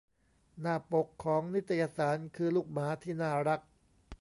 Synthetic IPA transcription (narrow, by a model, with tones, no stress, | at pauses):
naː˥˩po˨˩kʰːɔː˩˦ŋni˦˥t̪ʰːa˧jaː˧saː˩˦nkʰɯː˧luː˥˩k̚maː˩˦t̪ʰiː˥˩naː˥˩ɾa˦˥k̚